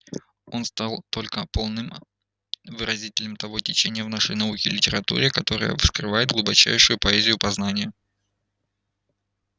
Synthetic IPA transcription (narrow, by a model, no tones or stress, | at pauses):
o̞nst̪alˠt̪o̞lʲkəpo̞lˠnɨm | vɨɾʔɐzʲitʲɪlʲnʲɪmt̪ɐvo̞tʲɪt͡ɕenʲɪjəvnaʂəjnɐukʲɪlʲɪtʲɪɾɐt̪ṵɾʲɪkɐt̪o̞ɾə̰jə̰skrɨvajɪt̪d̪ɡlˠʊbɐt͡ɕæ̰jʂʊjʊpɐɛzʲɪjʊpɐznanʲɪjə